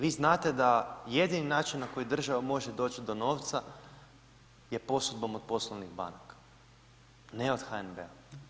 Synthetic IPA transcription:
ʋiːznaːt̪e̞d̪ajed̪ininaːt͡ʃinːako̞jid̪r̩ʒaʋamo̞ʒed̪o̞ːt͡ɕid̪o̞no̞ːʋt̪sa | je̞po̞sud̪̚bo̞mo̞d̪̚po̞slˠoʋniɣba̰nakḁ | neo̞d̪̥xaenbḛa

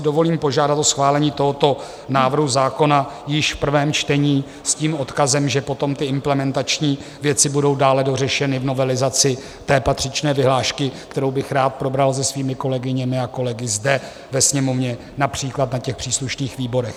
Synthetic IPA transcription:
ɪdo̞vo̞liːmpo̞ʒaːdat̪ʔosxvaːlɛɲiːt̪o̞ɦot̪o̞ | naːvr̩ɦuzaːko̞najɪʃfpr̩vɛːmt͡ʃt̪ɛɲiː | sciːmo̞t̪kazɛmʒɛpo̞t̪o̞mt̪ɪɪmplɛmɛnt̪at͡ʃɲiːvjɛt͡sɪbudo̞wdaːlɛdo̞rɛʃɛnɪvno̞vɛlɪzat͡sɪ | t̪ɛːpat̪r̝̥ɪt͡ʃnɛːvɪɦlaːʃkɪkt̪ɛɾo̞wbɪxɾaːt̪̚pɾo̞bɾalzɛsviːmɪko̞lɛɡɪɲɛmɪako̞lɛɡɪzdɛ | vɛsɲɛmo̞vɲɛ | napr̥iːklat̪nacɛxpr̥iːsluʃniːxviːbo̞ɾɛx

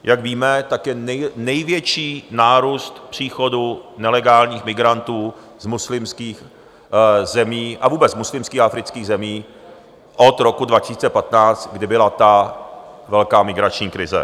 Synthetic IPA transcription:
jʔakviːmɛt̪akjɛnɛjnɛjvjɛt͡ʃiːnaːɾuːst̪pr̥iːxo̞dunɛlɛɡaːlɲiːxmɪɡɾant̪uː | zmuslɪmskiːx | zɛmiːʔavuːbɛt͡szmuslɪmskiːxafɾɪt͡skiːɣzɛmiː | ʔot̪ɾokudvacɪsiːt͡sɛpat̪naːt͡st̪ɡdɪbɪlat̪a | vɛlkaːmɪɡɾat͡ʃɲiːkɾɪzɛ̰

